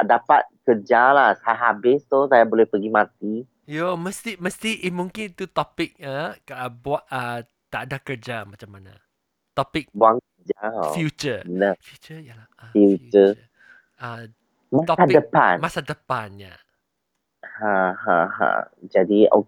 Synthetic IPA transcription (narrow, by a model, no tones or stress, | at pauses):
adapat̪̚kəd͡ʒalahsajaɦabɪst̪osajabolɛhpəɡimãt̪i | joməst̪iməst̪iʔimũŋkɪnit̪ut̪ɔpɪk̚əbuaʔə | t̪aadakərd͡ʒamãt͡ʃamːana̰ | t̪ɔpɪk̚bwaŋkəd͡ʒao̰fjut͡ʃənəfjut͡ʃəjala | afjut͡ʃəə | ə | mat̪ɔadəpa̰nmasadəpanja̰ | hãhã̰hã̰ | d͡ʒadio